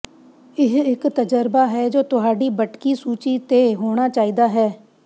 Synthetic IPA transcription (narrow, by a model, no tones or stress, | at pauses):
ɪɦɪkt̪əd͡ʒəɾbaːɦɛːd͡ʒoːt̪ʊɦaːɖiːbəʈkiːsuːt͡ʃiːt̪eːɦoːɽ̃aːt͡ʃaːiːd̪aːɦɛː